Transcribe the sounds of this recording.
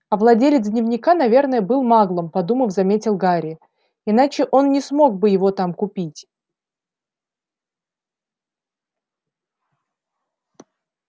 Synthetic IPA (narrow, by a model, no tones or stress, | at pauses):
ɐvlˠɐdʲelʲɪt̪sdʲnʲɪvnʲɪkan̪ɐvʲe̞rnəjəbɨlˠmaɡlˠəmpɐd̪uməfzɐmʲetʲɪlˠɡaɾʲɪ | ɪnat͡ɕɪʔo̞nnʲɪsmo̞ɡ̚bɨjɪvo̞t̪amkʊpʲitʲ